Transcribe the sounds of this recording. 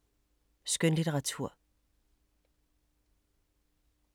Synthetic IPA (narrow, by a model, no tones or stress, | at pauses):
sɡ̥ønliɾəʁɑ̈t͡sʰuɐ̰